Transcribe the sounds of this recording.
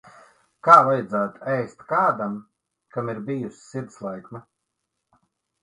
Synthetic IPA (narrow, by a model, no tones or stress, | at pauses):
kaːvajad̪zaːt̪ɛjst̪kaːd̪am | kamiɾbijusʲi̥siɾd̪slˠajkma